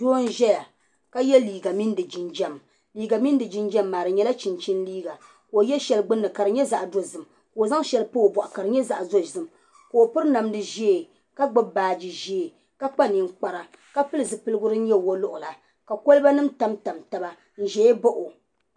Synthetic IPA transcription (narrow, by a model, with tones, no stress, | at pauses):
doː˦n̩˦ʒɛ˦ja˨ | ka˦jɛ˦liː˨ɡa˨mi˦n˦dɨ˨d͡ʒi˨nd͡ʒa˦m | liː˨ɡa˨mi˦n˦dɨ˨d͡ʒi˦nd͡ʒa˦mːaː˨ɾɨ˨ɲɛ˦la˦t͡ʃi˨nt͡ʃi˦nliː˦ɡa˨ | ko˨jɛ˦ʃɛ˨lɡ͡bɨ˦nːɨ˨ka˨ɾɨ˨ɲɛ˦za˨ʔdo˦zɨ˨m | ko˨za˦ŋʃɛ˨lpo˦˨bwɔ˨ʔa˨ka˨ɾɨ˨ɲɛ˦za˨ʔzo˦zɨ˨m | ko˨o˨pɨ˦ɾna˨mdɨ˨ʒeː˦˨ | ka˦ɡ͡bɨ˦baː˨d͡ʒi˨ʒe˦˨ | ka˦k͡pa˦ni˨ŋ̩˦k͡pa˨ɾa˨ | ka˦pɨ˦lɨ˨zɨ˨pɨ˦lɨ˦ɡʊ˦ɾɨ˦n̩˦ɲɛ˦wo˦lʊ˦ʔʊ˨la˨ | ka˨ko˦lɨ˦ba˦nɨ˦mta˦mta˨mta˦ba˨ | n̩˨ʒɛ˨˦bo˦ʔo˨